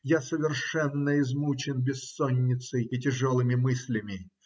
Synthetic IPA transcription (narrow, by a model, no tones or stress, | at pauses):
jasəvʲɪrʂɛnːəɪzmut͡ɕɪnbʲɪsːonʲːɪt̪sɨjɪtʲɪʐolˠɨmʲɪmɨsʲlʲɪmʲɪ